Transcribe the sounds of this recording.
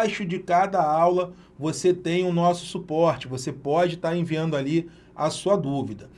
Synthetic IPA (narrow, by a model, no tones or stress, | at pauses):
jʃʊd͡ʒɪkad̪ɐawlɐ | voset̪ẽj̃ʊnɔsʊ̥supɔɾt͡ʃɪvosepɔd͡ʒɪt̪aɾẽviɐ̃nd̪ʊali | ɐsuɐd̪uvid̪ɐ